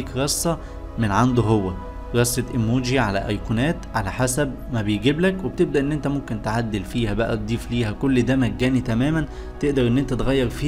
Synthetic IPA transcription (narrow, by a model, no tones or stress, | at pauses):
ikɾɑsˤːɑ | menʕand̪oɦowːæ | ɾɑsˤːet̪ʔemːuːd͡ʒiʕalæ̰ʔɑjkunæːt̪ʕalæħasæb̚ | mæbejɡeblækweb̚t̪eb̚d̪æʔenːʔent̪æmomkent̪ʕad̪ːelfiːhæbæʔæ̰t̪̚d̪ˤiːfliːhækolːd̪æːmæɡːæːnit̪æmæːmæn | t̪eʔd̪ɑɾˤʔenːʔent̪æt̪ɣæjːɑɾˤfiː